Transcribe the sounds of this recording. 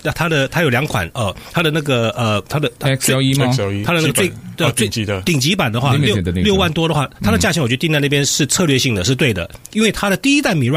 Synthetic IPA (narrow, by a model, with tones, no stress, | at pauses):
t̪ʰa˥d̪ə˨t̪ʰa˥jʊljɑ˧˥ŋkʰwa̰˨˩˦nə˧˩t̪ʰa˥d̪ə˨na˥˩ɡə˩ə˩t̪ʰa˥d̪ə˨˧t̪ʰa˥we˥˩i˥˧˥a˥d̪ə˧na˥˧ɡə˧t͡swe˥˧ɪə˧t͡swɪt̪i˨˩ŋt͡ɕi˧˥pa˨˩nd̪ə˦xwa˥ljo˥˧˨ljo˥˧ʊwa˥˩nt̪wɔ˥d̪ə˨xwa˥˩t̪ʰa˥də˧˨t͡ɕja˥˧˩t͡ɕŋwɥ̪nt͡sa˥˧na˥˩jɛ˥nʂɻ̩˥˧t͡sʰɤ˥˧lɥɛ˥˧ɕi˥˩ŋd̪ə˩ʂɻ̩˥˧t̪we˥˩ɪd̪ə̰˩i˥nwe˥˩ɪt̪ʰa˥ɾə˨t̪i˥˩i˦˥t̪a˥˩nmi˨˩˥ɻwa˥˩